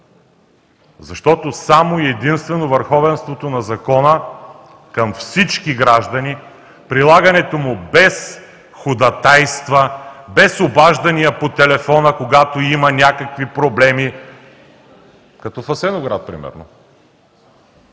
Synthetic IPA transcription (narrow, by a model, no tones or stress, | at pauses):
zɐʃt̪ɔt̪osamoiɛd̪inst̪vɛnovəɾxɔvɛnst̪vot̪onɐzɐkɔnə | kɐmfsit͡ʃkiɡɾaʒd̪ɐni | pɾilˠaɡɐnɛt̪omʊbɛs | xʊd̪ɐt̪ajst̪vəbɛsobaʒd̪ɐnʲijəpot̪ɛlɛfɔnəkoɡat̪oimɐnʲakəkvipɾoblɛmi | kɐt̪ɔfɐsɛnoɡɾa̰t̪̚pɾḭmɛ̰ɾno̰